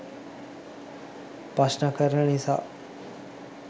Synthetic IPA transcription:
pasnəkəɾənənisa̰ː

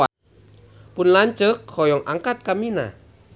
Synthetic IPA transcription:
a | punlaɲt͡ʃək̚hɔjɔŋʔaŋkat̪̚kamina̰

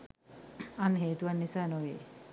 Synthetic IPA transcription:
anːəɦeːt̪uʋanːisaːnoʋḛː

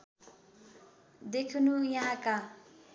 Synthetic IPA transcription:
d̪ekʰunujãka

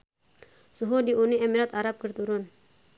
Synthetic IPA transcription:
suɦudiuniʔɛmiɾat̪aɾap̚kərt̪uɾʊn

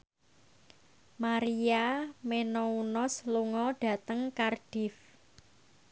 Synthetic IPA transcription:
maɾiamenɔunɔsluŋɔɖ̥a̤t̪əŋkarɖ̥ɪf

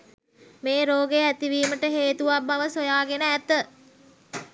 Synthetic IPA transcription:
meːɾoːɡeæt̪iʋiːməʈəɦeːt̪uʋabːaʋəsojaːɡenəæt̪ə

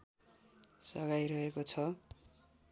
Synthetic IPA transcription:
sʌɡajɾʌɦekot͡sʰʌ

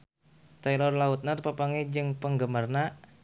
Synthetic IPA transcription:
t̪alɔrlaut̪̚nərpəpaŋed͡ʒɨŋpəŋɡəmarna

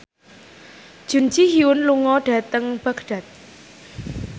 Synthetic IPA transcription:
d̥ʒ̥ṳn̥d͡ʒiɦiwʊnluŋɔɖ̥ä̤t̪əŋb̥a̤kɖ̥a̤t̪̚

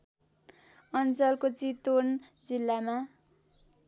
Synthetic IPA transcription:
ʌnt͡sʌlkot͡sit̪on | d͡zilːama

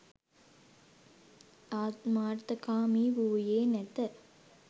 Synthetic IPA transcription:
aːt̪maːɾt̪əkaːmiːʋuːjeːnɛt̪ə

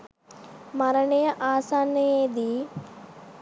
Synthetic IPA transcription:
mɐɾɐɳejɐʔaːsaːnːɐjeːd̪i

